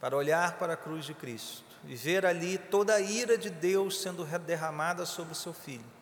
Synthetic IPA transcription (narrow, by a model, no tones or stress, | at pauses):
paɾɐoʎaɾpaɾɐkɾuzd͡ʒɪkɾist̪ʊ̥ɪ̰veɾalit̪od̪ɐːiɾɐd͡ʒɪd̪ewssẽnd̪ʊɦed̪eɦɐmad̪ɐsobɾɪʊsewfiʎʊ